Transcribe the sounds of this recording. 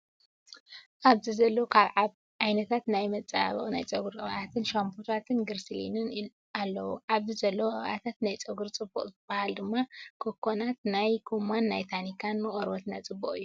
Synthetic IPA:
ʔaβzizɐlːowkʰaβʕaβ | ʕajnɐt̪ʰat̪najmɐt͡sʼaaβɨχʼna̰jt͡sʼɐɡuɾʔɨβʔat̪ʰɨnʃampʰut̪ʰat̪ʰɨnɡɨɾsɨlḭnɨn | ʔalːɐwuʔaβzizɐlːɐwʔɨβʔa̰t̪ʰat̪najt͡sʼɐɡuɾt͡sʼɨbːuχʼzɨbahald̪ɨmːakʰokʰːonat̪̚najkʰumːanːajt̪ʰanikʰanːɨχʼɐɾbɐt̪na̰t͡sʼɨbːṵχʼɨjːu

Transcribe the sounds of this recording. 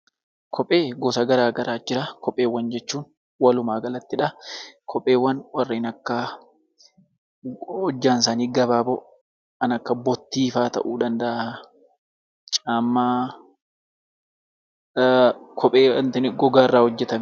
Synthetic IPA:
kʰɔpʼːeːɡɔsɐɡɐɾaːɡɐɾaːd͡ʒɪɾakɔpʼːeːwːɐnd͡ʒɛt͡ʃːuːn | wɐlʊmaːɡɐlɐt̪ːɪᶑɐkʰɔpʼːe̞ːwːɐnwɐrːiːnɐkːɐ | hɔd͡ʒːaːns̬aːniːɡɐbaːbɔ | ɐnɐkːɐbɔt̪ːiːfaːt̪ɐ̰ʔuːᶑɐnd̪ɐʔa | t͡ʃʼaːmːa | kʰɔpʼeːnt̪ɪnɡɔɡaːɪrːaːhɔd͡ʒːɛt̪ɐm

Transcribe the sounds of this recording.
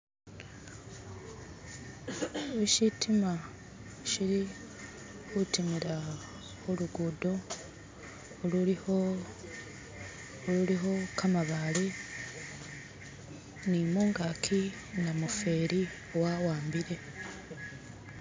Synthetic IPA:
eʃitima | ʃiɾi | hutimiɾa | oluɡudo̞ | luho | ɾuɾiɦo̞kamaβali | nimoːŋɡakʰi | namufe̞ːɾi | wawaːmbiɾe̞

